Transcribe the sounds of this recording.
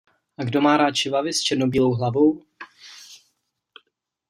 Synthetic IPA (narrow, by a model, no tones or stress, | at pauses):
ʔaɡdo̞maːɾaːt͡ʃɪvavɪst͡ʃɛdnobiːlowɦlavo̞w